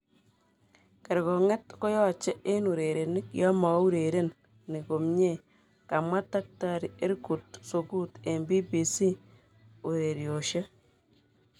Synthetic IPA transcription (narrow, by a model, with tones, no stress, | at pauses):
ke˨ɾkɔ˨ŋɛ˦tko˦jɔ˦t͡ʃe˦ʔe˦nu˨ɾe˨ɾe˨nɪ˦kjɔ˦mɔ˨˦u˦ɾe˨ɾe˦n | ni˨ko˨mɲe˦˨ | ka˨mwa˦ta˦k̚ta˦˨ɾi˨e˦ɾku˨t̚so˨ku˦te˨mbi˦bi˨si˦ | u˨ɾe˨ɾjo˨ʃe˦